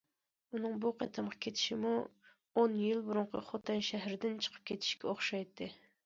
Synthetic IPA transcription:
unɨŋbuqʰɑ̰t̪ʰɨmqʰɑ̥kʲʰet̪ʰɪ̥ʃimu | onjilbuɾʊɴqʰə̰χot̪ʰɨnʃæɦɾɪd̪ɪnt͡ʃʰə̥qʰə̥p̚kʲʰet̪ʰɪ̥ʃkʲɛoχʃɑjt̪ʰːɨ

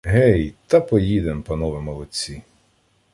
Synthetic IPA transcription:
ɦɛjt̪ɐpɔjid̪empɐnɔʋɪmɔlˠɔt͡sʲi

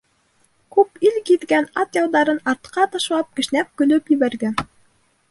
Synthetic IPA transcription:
kʉpilkiðɡænɑt̪jɑw̪d̪ɑɾɤnɑɾt̪qɑt̪ɑʃlˠɑp̚kɘ̆ʃnæp̚kɵ̆lɵpjɘ̆βæɾɡæn

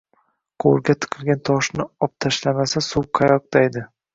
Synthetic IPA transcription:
qʰoɾɡʲat̪ʰɨ̥qʰɨlˠɡʲant̪ʰɒʃnɪɒp̚t̪ʰaʃlamasasuw̚qʰɑjɒq̚d̪̥ajd̪ɪ

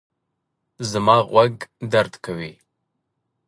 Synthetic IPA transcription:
zɨmaːʁʷɐɡdɐrtʰkʰɐwiː

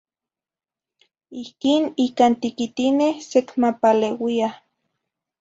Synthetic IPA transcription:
ihkiːnikant̪ikit̪inehsekmapalewia

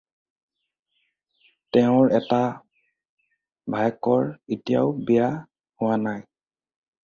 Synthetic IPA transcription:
tɛʊ̃ɹɛta | bʱajkɔɹitijaʊbija | hʊwanaj

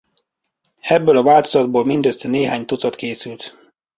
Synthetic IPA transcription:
ɛbːøːlɒvaːlt̪ozɒd̪̚boːlmind̪øst̪ɛneːɦaːɲt̪ut̪sɒt̪keːsylt̪

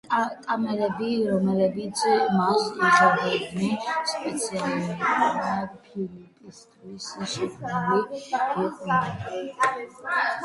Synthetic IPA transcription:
k̪ʼamɛlɛbiɾɔmɛlɛbit̪sʰmaksizad̪ɛdnispʼɛt̪sʰianiad̪apʰilipʼist̪ʰwisʃupʰnuliɡiqʼna

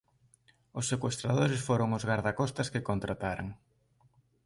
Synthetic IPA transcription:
ʊsːekwest̪ɾaðoɾɪsfoɾoŋʊzɣaɾðakɔst̪ɐskekont̪ɾat̪aɾa̰ŋ

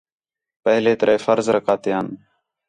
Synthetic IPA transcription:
pəɦleːt̪əɾeeːfəɾzɾəkʰaːt̪eːən

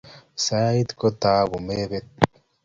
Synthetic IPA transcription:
saːit̪kɔt̪aːbʊmeːbet̪̚

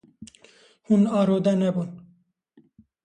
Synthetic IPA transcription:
hunaːɾoːd̪ɛnɛbun

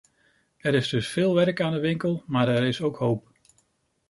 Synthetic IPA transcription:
ɛɾɪzdɵsfɪːlˠʋɛɹkaːndəʋɪŋkəlˠmaːɾɛɾɪsowkɦowp̚

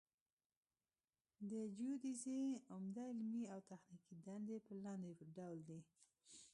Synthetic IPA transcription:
d̪əd͡ʒud̪izeʊmd̪aɪlmiawt̪axnikid̪and̪epəlɑnd̪epəɾɖawld̪i

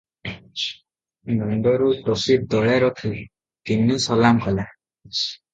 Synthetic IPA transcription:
nɔnɖɔɾuʈɔsit̚d̪ɔɭɛɾɔkʰi | t̪inusɔlamkʰɔla

